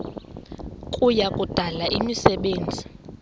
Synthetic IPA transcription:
kʼujakʼud̥ʱalaʔimisɛɓeːnd͡zʱi

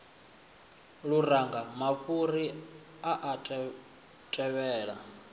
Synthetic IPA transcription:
ɺuɾaŋɡamaɸuɾi | aʔatʼ | tʼɛβɛːɺa

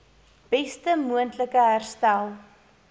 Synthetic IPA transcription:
b̥ɛstəmuəntləkəɦærstælˠ

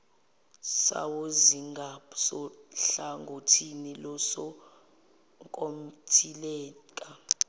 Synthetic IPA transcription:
sa̰woziŋɡʱapsɔɬaŋɡʱotʰinilɔsɔ | ŋkʼom̩tʰilɛːkʼa

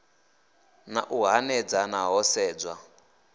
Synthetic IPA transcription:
na̰ʔuɦanɛd͡zanaɦɔsɛːd͡zwa

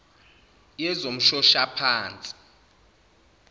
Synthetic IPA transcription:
jɛzom̩ʃɔʃapʰaːnt͡sʼi̥

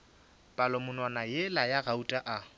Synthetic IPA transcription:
pʼalɔmʊnwanajelajarautʼaʔa

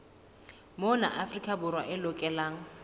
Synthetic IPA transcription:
mona̰ʔafrikʼabʊɾwaʔɪlʊkʼɛlaːŋ̩

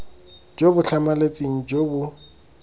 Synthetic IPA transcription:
d͡ʒobʊɬʰamalet͡sʼiŋ̩d͡ʒobʊ

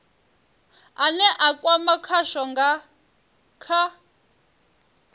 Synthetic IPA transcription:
anɛʔakʼwamakʰaʃɔŋɡa | kʰa

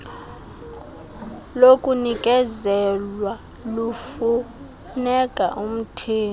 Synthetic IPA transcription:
lokʼunikʼɛzɛlwa | lufu | nɛkʼa̰ʔum̩tʰeː

